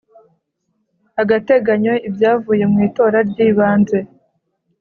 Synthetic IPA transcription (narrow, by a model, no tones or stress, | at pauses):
aɡate̞ɡaɲo̞ibjaːvuːje̞mŋiːto̞ːɾaɾɟiːβaːnzwe̞